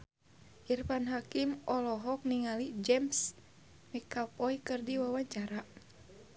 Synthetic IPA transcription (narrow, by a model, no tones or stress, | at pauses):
ʔirpanɦakimɔlɔɦɔk̚niŋalid͡ʒɛms | mikapɔikɨrdiwawaɲt͡ʃaɾa